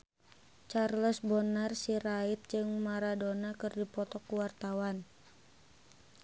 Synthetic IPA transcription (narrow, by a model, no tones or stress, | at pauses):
t͡ʃarlɔsbɔnarsiɾait̪̚d͡ʒɨŋmaɾadonakɨrdipɔt̪ɔkuwart̪awan